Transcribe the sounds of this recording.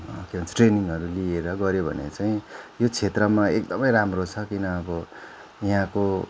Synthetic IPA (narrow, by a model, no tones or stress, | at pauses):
kibʌnt͡sʈreniŋʌɾulieɾʌɡʌɾjobʱʌ̰nḛt͡saĩjot͡sʰet̪rʌmaek̚d̪ʌmʌjɾamrot͡sʰʌkinʌːbʌ | jɦãko